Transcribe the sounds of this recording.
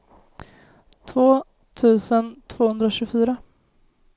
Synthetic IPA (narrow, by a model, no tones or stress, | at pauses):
t̪ʰvoː | t̪ʰʉ̟ːsənt̪ʰv̥oːhɵnd̪ɾɔɕʉːfyːɾa